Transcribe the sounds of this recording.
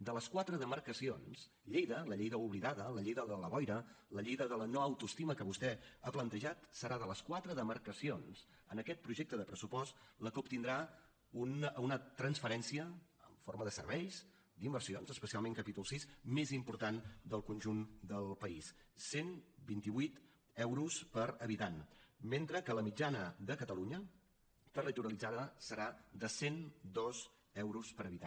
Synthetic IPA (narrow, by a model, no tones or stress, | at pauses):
d̪ələskwat̪ɾəðəmərkəsions | ʎejðələʎejðəuβliðaðələʎejðəðələβɔjɾə | ləʎejðəðələnoəwt̪uəst̪iməkəβust̪ɛəplənt̪əʒat̪səɾʔaðələskwat̪ɾəðəməɾkəsions | ənəkɛt̪̚pɾuʒek̚t̪əðəpɾəsupɔst̪ləkoup̚t̪ind̪ɾa | ununət̪ɾənsfəɾɛnsiəə̰ɱforməðəsə̰rβɛʎz | d̪imbərsionzəspəsialˠmeŋkəpit̪ulˠsismezimpuɾt̪and̪əlˠkunʲʒund̪əlˠpəissːenbint̪iβwit̪ | ɛwɾuspəɾəβit̪anment̪ɾəkələmid͡ʒanəðəkət̪əluɲə | t̪ələt̪uɾəlid͡zaðəsəɾaðəsend̪ɔz | ɛwɾuspəɾəβit̪a